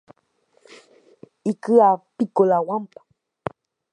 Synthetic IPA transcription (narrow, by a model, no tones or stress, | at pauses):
ikɨapikolawampḁ